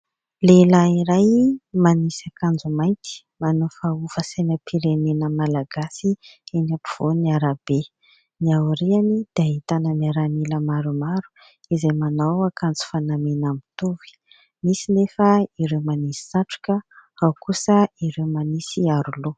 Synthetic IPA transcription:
lelaiɾajmanisakand͡zumajnt̪i̥ | manufaufəsajnəpʰiɾenenəmalaɡasienapi̥v̥oniaɾab̥e | niauɾianid̪̥ait̪anəniaɾaniləmaɾumaɾu̥ | izajmanawakand͡zu̥fanamenamit̪uvi̥ | misinefəiɾewmanisi̥saʈ͡ʂu̥kʲəawkusəiɾewmanisiaɾulu

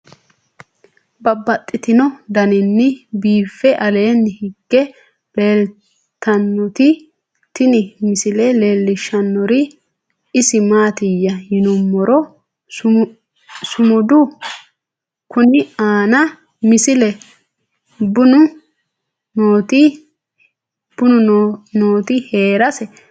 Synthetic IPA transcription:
bɐbːɐt̪ʼːɪt̪ɪnɔd̪ɐnɪnːɪbiːfːɛʔɐle̞ːnːɪhɪɡ̥ːɛ | leːl | t̪ːɐnːɔt̪ɪ | t̪ɪnɪmɪsɪlɛle̞ːlːɪʃːɐnːɔɾɪ | ɪsɪmaːt̪ɪjːɐjɪnʊmːɔɾɔ | sʊmʊd̪ʊ | kʊnɪaːnɐ | mɪsɪlɛ | bʊnʊ | noːt̪ɪ | b̥ʊnʊnoːt̪ɪhe̞ːɾɐsɛ

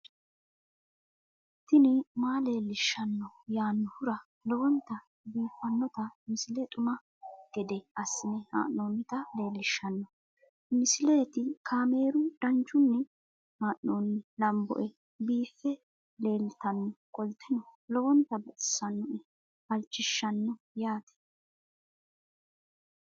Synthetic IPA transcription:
t̪ːɪnɪmaːle̞ːlːɪʃːɐnːɔjaːnːɔhʊɾɐ | lɔwɔnt̪ːɐ | biːfːɐnːɔt̪ɐmɪsɪleɛt̪ʼʊmɐ | ɡ̥ɛd̪ɛʔɐsːɪnɛha̰ːʔːoːnːɪt̪ɐle̞ːlːɪʃːɐnːɔ | mɪsɪleːt̪ɪkʰaːme̞ːɾʊd̪ɐnt͡ʃːʊnːɛ | haːʔnoːnːɛlɐmbɔ̰ʔɛ | biːfːɛ | le̞ːlt̪ɐnːɔkʼɔlt̪ːɪnɔlɔwɔnt̪ːɐbɛtɪ̥sːɐnːɔʔɛ | ɐlt͡ʃːɪʃːɐnːɔ | jaːt̪ɛ̥

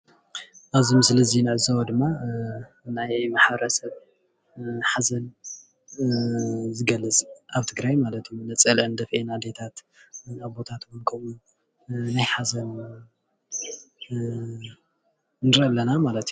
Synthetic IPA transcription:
ʔaβzimɨsɨlɐzinɨʕɨzawɐd̪ɨmːa | najmaħbɐɾɐsɐβ | ħazɐn | zɨɡɐlːɨt͡sʼʔaβt̪ʰɨɡɾajmalɐt̪junɐt͡sʼɐlʔɐnd̪ɐfʔenad̪et̪ʰat̪ | aβbo̞t̪ʰat̪bonkʰɐmun | najħazɐn | nɨɾʔɐlːɐnamalɐt̪ju

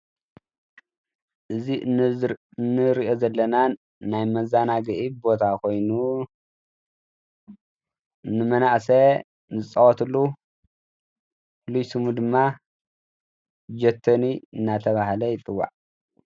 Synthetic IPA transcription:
ʔɨzi | nːɨɾiʔozɐlːɐna | najmɐzanaɡɨʔibo̞t̪ʰakʰo̞jnu | nːɨmɐnaʔsɐ | zɨt͡sʼɐwɔt̪ʰɨlːu | pflujsɨmud̪ɨmːa | d͡ʒɐt̪ʰːɐniɨnːat̪ʰɐβahlɐjɪt̪ʼɨwːa̰ʕ

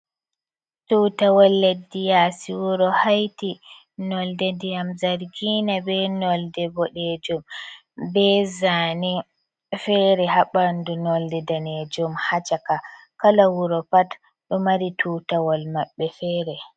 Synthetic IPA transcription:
tutawɔlːɛdːijasiwuɾɔhajti | nɔldɛdijamzaɾɡinabɛnɔldɛbɔɗɛd͡ʒɔm | bɛzani | fɛɾɛhaɓandunɔldɛdaned͡ʒɔmhat͡ʃaka | kalawuɾɔpat | ɗɔmaɾitʰutawɔlmaɓːɛfɛːɾɛ

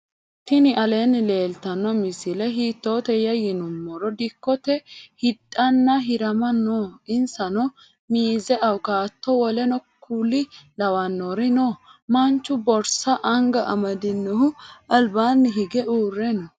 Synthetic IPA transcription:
t̪ɪnɪʔɐle̞ːnːɪle̞ːlt̪ɐnːɔmɪsɪlɛɦiːt̪ːoːt̪ɛjɐjɪnʊmːɔɾɔd̪ɪkːɔt̪ɛhɪt̪ʼːɐnːɐɦɪɾɐmɐnoːɪnsɐnɔ | miːzɛʔɐwkaːt̪ːɔwɔlɛnɔkʰulɪlɐwɐnːoɾɪnoːmɐnt͡ʃːʊbɔɾsɐʔɐŋɡɐʔɐ̰mɐd̪ɪnːɔhʊɐlbaːnːɪɦɪɡɛʔuːrːɛnɔ

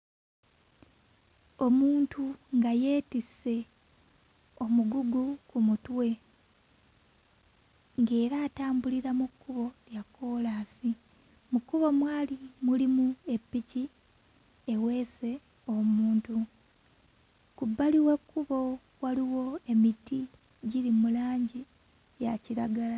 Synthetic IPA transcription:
o̞muːntuŋɡaje̞ːtise̞ | o̞muɡuɡukumutwe̞ | ŋɡe̞ːɾaːtaːmbuliɾamukʰːuβo̞ljakːo̞lasi | mukuβo̞mwaːlimulimue̞pːici | ewe̞ːse̞ | o̞muːntu | kubːaliwe̞kʰːuβo̞ | waliwo̞emiti | ɟiɾimulaːɲɟi | jaciɾaɡala

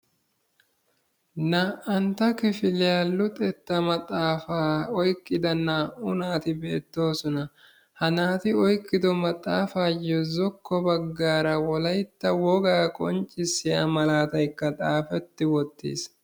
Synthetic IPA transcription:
nɐɐnt̪ɐkɪfɪlɪjaːlːʊt̪ʼɛt̪ːɐmɐt̪ʼaːfaːɔjkʼːɪd̪ɐnːɐʊnaːt̪ɪbe̞ːt̪ːo̞ːsɔnɐ | hɐnaːt̪ɪɔjkʼːɪd̪ɔmɐt̪ʼːaːfaːjɔzɔkːɔbɐɡːaːɾɐwɔlɐjt̪ːɐwɔɡaːkʼɔnt͡ʃʼːɪsːɪjɐ̰mɐlaːt̪ɐjkːɐt̪ʼaːfɛt̪ːɪwɔt̪ːḭːs

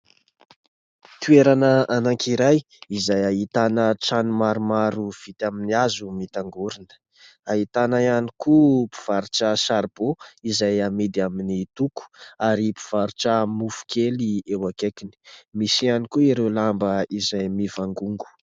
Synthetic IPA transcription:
t̪ueɾanəanaŋkiɾaj | izajaɦit̪anəʈ͡ʂanumaɾumaɾuv̥it̪aminiazumit̪aŋɡuɾinə̥ | aɦit̪anajanikupi̥v̥aɾuʈ͡ʂəsaɾb̥oizajamid̪iaminit̪uku̥aɾipi̥v̥aɾuʈ͡ʂəmufu̥kʰeliewakekini̥misianikuiɾewlambəizajmivaŋɡuŋɡu̥

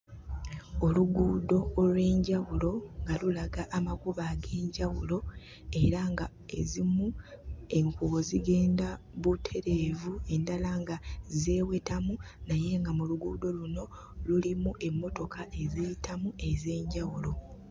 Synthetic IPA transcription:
o̞luɡuːdo̞ːlwe̞ːɲɟawulo̞ŋɡalulaɡaʔːmakuβaɡe̞ːɲɟawulo̞ | e̞ɾaŋɡa | e̞zimu | e̞ŋkooziɡe̞ːnda | βutʰe̞ɾe̞ːvue̞ndalaŋɡaze̞ːwe̞tamunaje̞ŋɡamuluɡuːdo̞luno̞ | lulimuʔe̞mːo̞to̞kʰaʔe̞ziitʰamue̞ze̞ːɲɟawulo̞

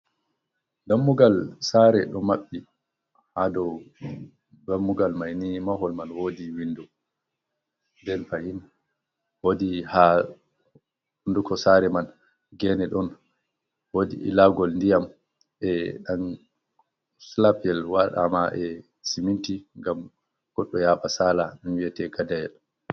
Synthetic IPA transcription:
damːuɡalsaːɾɛɗɔmaɓːi | hadɔw | damːuɡalmajnimaɦɔlmanwoːdiwindɔ | ndɛnfahin | wodiha | hundukɔsaɾɛman | ɡɛnɛɗɔn | wodḭʔḭlaɡɔlndijam | ʔɛɗan | slapɛlwaɗa̰maʔɛ | simintiŋɡam | ɡ̥ɔɗːɔjaɓasaːlaninwiɛtɛkadajɛl

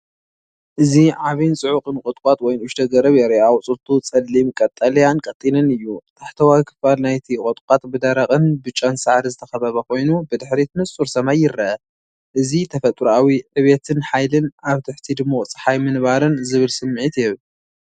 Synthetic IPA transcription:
ʔɨziʕaβint͡sʼɨʕʊqʼɨnkʼɔt̪ʼkʷʼat̪wɔjnʔʊʃt̪ʰɐɡɐɾɐβjɛɾiʔawt͡sʼɨlt̪ʰut͡sʼɐlːimkʼɐt̪ʼːɐlɐjankʼɐt̪ʼːinɨnɨjːut̪ʰaħt̪ʰɐwajkʰɨ̥falnajt̪ʰikʼɔt̪ʼkʷʼat̪ʼbɨd̪ɐɾɐkʼɨnbɨt͡ʃʼːansaʕɾizɨt̪ʰɐxɐβɐβɐkʰo̞jnubɨd̪ɨħɾit̪ʰɨnɨst͡sʼuɾsɐmajːɪɾːɐʔɐ | ʔɨzit̪ʰɐfɐt̪ʼɾawiʕɨβet̪ʰɨnħajlɨnaβt̪ʰɨħt̪ʰid̪ɨmːot͡sʼɨ̥ħajmɨnβaɾɨnzɨβɨlsɨmːɨʕit̪jɛβl

